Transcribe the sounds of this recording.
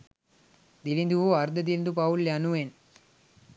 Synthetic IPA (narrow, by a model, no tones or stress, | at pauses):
d̪ilind̪uoɐɾd̪ɐd̪ilind̪upauljanuʋen